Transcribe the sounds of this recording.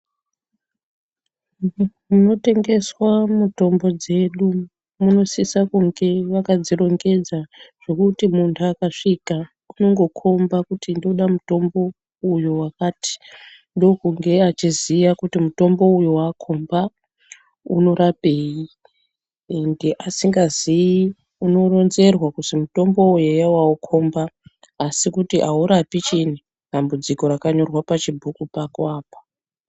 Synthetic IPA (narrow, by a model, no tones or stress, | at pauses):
muno̞te̞ŋɡe̞swamuto̞mbo̞d͡ze̞ɗu | muno̞sisakuŋɡe̞ʋakad͡ziɾo̞ŋɡe̞d͡zaʐ̥o̞kutimuntʰuakaʂika | uno̞ŋɡo̞kʰo̞mbakutindo̞ɗamuto̞mbo̞ | ujowakaːti̥ | ndo̞kuŋɡe̞at͡ʃizijakutimuto̞mbo̞ujowakʰomba | ṵno̞ɾape̞ji | ende̞ʔasiŋɡazii | uno̞ro̞nze̞rwakusimuto̞mbo̞ujejawaukʰo̞mbaː | sikutiʔauɾapit͡ʃini | ɗambud͡ziko̞ɾakaɲo̞rwapat͡ʃibʱukupakoaːpḁ